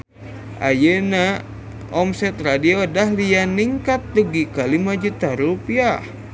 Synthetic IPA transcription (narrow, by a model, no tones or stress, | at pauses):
ʔa̰jəna | ɔmsɛt̪radiodahlianiŋkat̪̚luɡikalimad͡ʒut̪aɾupiah